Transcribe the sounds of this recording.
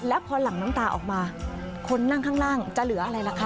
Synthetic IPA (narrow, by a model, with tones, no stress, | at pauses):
lɛː˦˥wpʰɔː˧la˨˩˦ŋnaː˦˥mt̪aː˧ʔɔ̰ː˨˩k̚maː˧ | kʰo˧nːa˥˩ŋkʰaː˥˩ŋlaː˥˩ŋt͡ɕa˨˩lɯ˨˩˦ʔa˧ɾa˧jla˨˦kʰa˦˥˩